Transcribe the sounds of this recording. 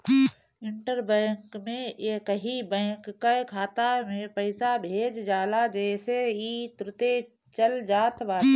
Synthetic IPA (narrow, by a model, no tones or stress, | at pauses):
ɪ̃ɳʈəɾbɛ̃ːŋkmẽʔeːkəɦibɛ̃ːŋkːakʰaːt̪amẽpəɪsabʱeːd͡ʒd͡ʒaːlad͡ʒɛːseit̪ɾʊt̪e | t͡ʃəld͡ʒaːt̪ʋaːle